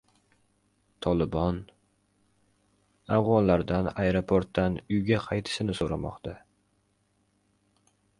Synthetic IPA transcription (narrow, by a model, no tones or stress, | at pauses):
t̪ʰɒlˠɪbɒn | avʁɒnlaɾd̪anaeɾopʰoɾt̪ːanʊjɡʲaqʰɑjt̪ʰɪ̥sɪnɪsoɾamɒ̰qt̪ʰa